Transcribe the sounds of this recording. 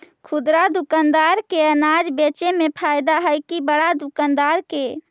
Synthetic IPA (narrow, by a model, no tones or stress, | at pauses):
kʰud̪ɾad̪ukand̪aɾkeənad͡ʒbet͡ʃemepʰajd̪aɦəjkibəɽad̪ukand̪aɾke